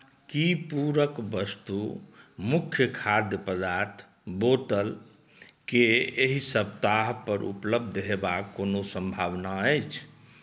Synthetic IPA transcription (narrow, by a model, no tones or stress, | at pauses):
kipuɾəkbəst̪umukʰjəkʰad̪jəpəd̪aɾt̪ʰ | bot̪əl | keeɦisəb̚t̪aɦpəɾʔṵpləb̚d̪ʱɦebakːonosə̃mbʱaʋnaəjt͡ʃʰ